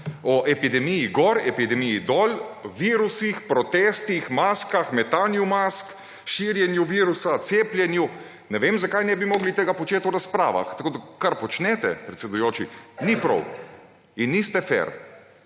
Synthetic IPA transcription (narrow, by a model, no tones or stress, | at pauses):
ɔʔɛpid̪ɛmijiɡɔːɾɛpid̪ɛmiid̪ɔːlʋiːɾusixpɾɔt̪ɛst̪ixmaːskaxmɛt̪aːnjumask | ʃiɾjɛnjuʋiɾusat̪seːpljɛnju | nɛʋeːmzakajnɛbimoːɡlit̪eːɡapɔt͡ʃeːt̪ɔɾaspɾa̰ːʋa̰xt̪akoːd̪akaɾpɔt͡ʃnɛt̪ɛ̰pɾɛt̪sɛd̪ujoːt͡ʃinipɾɔ̰w | inːist̪ɛfɛ̰ɾ